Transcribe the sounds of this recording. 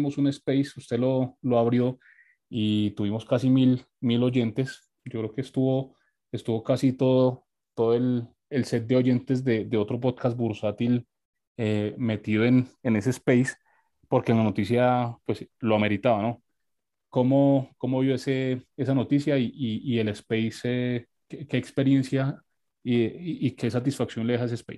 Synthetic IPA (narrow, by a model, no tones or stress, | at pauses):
mosune̞spejsust̪elo̞loaβɾjo̞ | it̪uβimo̞skasimil | milo̞ʝe̞nt̪e̞s | d͡ʒokɾe̞okeːst̪uβo̞ | est̪uβo̞kasit̪o̞ðo | t̪o̞ðoel | else̞t̪̚d̪e̞o̞ʝe̞nt̪e̞zd̪e̞d̪e̞o̞t̪ɾo̞p̬oðkas̚buɾsat̪il | eme̞t̪iðoenene̞seːspejs | po̞ɾkenlano̞t̪is̬japwesloame̞ɾit̪aβano̞ | komoko̞moβjo̞esee̞sano̞t̪isjaiʔiːe̞lespejse | keke̞ːkspe̞ɾje̞nsja | iʔike̞sat̪̬isfaksjo̞nleehaes̬espejs